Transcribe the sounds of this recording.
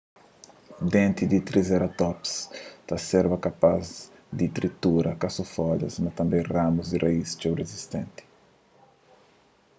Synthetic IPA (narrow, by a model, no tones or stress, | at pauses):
d̪ẽnt̪id̪it̪ɾizɛɾat̪ɔpst̪ɐsɛɾbɐkapaz | d̪it̪ɾit̪uɾɐkasufɔd̪ɐ̰smɐt̪ɐ̃mbẽj̃ramuzd̪irʔaist͡ʃewrezist̪ẽnt̪i̥